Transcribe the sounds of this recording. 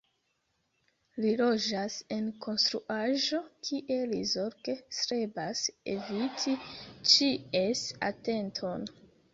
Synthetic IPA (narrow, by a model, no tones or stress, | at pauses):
lilo̞d͡ʒase̞nkʰo̞nst̪ɾuʔaʒo̞kʰiʔe̞lizoɾkesɾe̞basḛvitʰit͡ʃiesa̰te̞ntʰo̞n